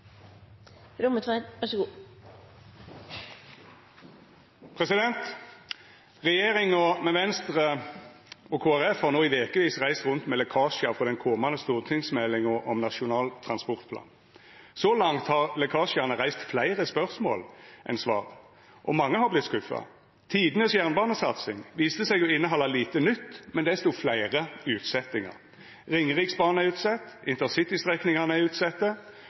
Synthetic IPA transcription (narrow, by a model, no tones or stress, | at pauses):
ɾʊmət̪ʰʋæʋæʂɡuː | pʰʁɛsɪd̪ɛnt̪ | ʁɛjeːʁɪŋɔmɛʋɛnst̪ʁə | ɔkʰoːæʁɛfhɑʁnoːɪʋeːkəʋiːsʁæɪst̪ʁʉnt̪meːlɛkʰɑːʂɪɑfʁɔd̪ɛnkʰɔmɑnd̪əst̪uːʁt̪ʰɪŋsmɛlːɪŋəɔmnɑʃʊnɑːlt̪ʰʁɑnspɔʁt̪pʰlɑ̰ːn | sɔlɑŋt̪hɑʁlɛkʰɑːʃɪɑnəʁæɪst̪flæɪʁəspœʁsmo̰ːlʔɛ̰nsʋɑ̰ːʁ | ʔɔmɑŋːəhɑʁblɪt̪ːskʉfːɑ̰ | t̪ʰiːd̪ənəsjæʁnbɑːnəsɑt̪sɪŋʋiːst̪əsɛɡɔɪnːəɦɔlːɑliːt̪ənʏt̪ːmɛnd̪ɛst̪uːflæɪʁəʉːt̪sɛt̪ːɪŋɑ̰ʁ | ʁɪŋːəʁiːksbɑːʁnəæʉːt̪sɛt̪ːɪnt̪ənsɪt̪ɪst̪ʁɛknɪŋɑnæʉːt̪sɛt̪ːə